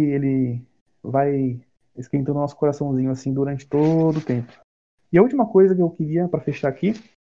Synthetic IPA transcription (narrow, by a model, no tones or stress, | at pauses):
ɪelɪ | vaj | ɪskẽt̪ɐ̃nd̪ʊnɔsʊ̥koɾasɐ̃w̃zĩɲʊasĩd̪uɾɐ̃nt͡ʃɪ̥t̪od̪ʊːt̪ẽpʊ̥ | ɪɐut͡ʃimɐkojzɐkɪewkɪɾiɐpɾɐfeʃaaki